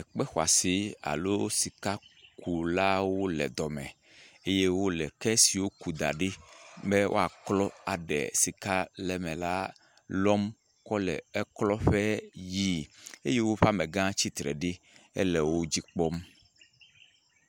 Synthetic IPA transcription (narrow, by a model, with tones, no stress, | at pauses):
ɛ˨k͡pɛ˦xwa̰˨si˨a̰˨lo˦si˨ka˦ku˨la˦wo˦lɛ̰˨d̪ɔ˨mɛ̃˨ | e˦je˦wo˦lɛ˨kɛ˦si˨wo˦ku˨d̪a̰˨ɖe˦bɛ˦wʔo̰˦a˨klɔ˦a˨ɖɛ̰˨si˨ka˦lɛ˨mɛ̃˨la˦ | lɔ˦m | kɔ˦lɛ̰˨ɛ˦klɔ˦ɸɛ˦ji˦e˦je˦wo˦ɸa˦mẽ˨ɡã˦t͡ɕi˦t̪ɾɛ̰˨ɖe˦ | ɛ̰˦lɛ˨wo˦d͡ʑi˦k͡pɔ˦m